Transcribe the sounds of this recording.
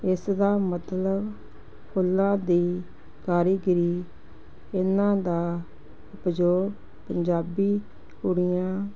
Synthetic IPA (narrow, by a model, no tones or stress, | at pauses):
ɪsd̪aːmət̪ləb | pʰʊlːãːd̪iː | kaːɾiːɡɪɾiː | ɪnãːd̪aː | ʊpd͡ʒoːɾ | pəɲd͡ʒaːbiː | hoːɽijãː